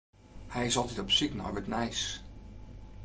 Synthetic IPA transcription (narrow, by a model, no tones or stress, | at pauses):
hɛjɪsɑlˠtɛtɔpsikna̰ɹʋətnɛjs